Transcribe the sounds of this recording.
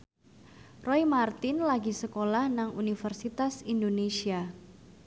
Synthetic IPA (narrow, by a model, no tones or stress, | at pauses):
rɔjmart̪ɪnlaɡisəkolahnaŋunifərsit̪asindonesia